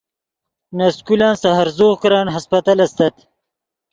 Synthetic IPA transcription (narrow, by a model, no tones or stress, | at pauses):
nɐskulaːnsɐɦɐɾzoːɣkɾaːnɦɐspɐt̪alɐst̪ɐt̪